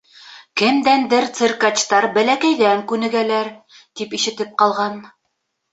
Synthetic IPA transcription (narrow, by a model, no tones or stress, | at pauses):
kɘ̆md̪ænd̪ɘɾt̪sɘɾkɑt͡ɕt̪ɑɾbælækæjðæŋkʉnɘ̆ɡælæɾ | t̪ipiʃɘ̆t̪ɘp̚qɑlˠʁɑn